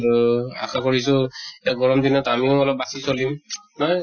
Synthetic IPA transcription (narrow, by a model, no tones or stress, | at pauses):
ɹua̰xʰakoɹisʊeaɡɔɹɔmdinɔtamiʊɔlɔp̚basisolimnɔj